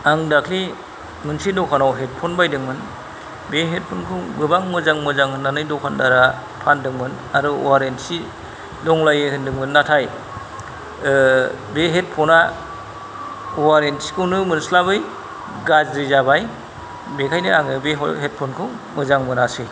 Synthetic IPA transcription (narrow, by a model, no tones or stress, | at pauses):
aŋdakʰli | mɯnsidɔkʰanawɦet̚pʰɔnbajdɯŋmɯn | beɦet̚pʰonkʰɯwbɯbaŋmɯzaŋmɯzaŋɯnːanɯjdɔkʰandaɾa | pʰandɯŋmɯn | aɾɯ̰waɾensi | lɔŋlajehɯndɯŋmɯnːatʰaj | beɦet̚pʰɔna | waɾentsi̥kʰɯwnɯmɯnslabɯj | ɡazɾizabaj | bekʰajnɯaŋɯbeɦɔɦet̚pʰonkʰɯw | mɯzaŋmɯnasi